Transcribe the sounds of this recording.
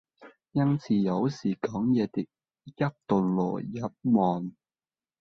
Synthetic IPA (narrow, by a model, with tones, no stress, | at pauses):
jɐ˥nt͡sʰiː˨˩jɐ˨˧wsiː˨˩kɔː˨˥ŋjɛː˨˧t̪ɪ˨˥k̚ | jɐ˥p̚t̪ʊ˨ŋlɔ̰ː˨˩jɐ˨˥p̚mɔː˨n